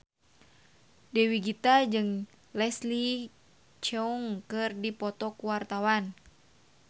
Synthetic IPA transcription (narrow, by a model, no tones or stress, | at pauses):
dɛwiɡit̪ad͡ʒɨŋ | lɛsli | t͡ʃɛuŋkɨrdipɔt̪ɔkuwart̪awan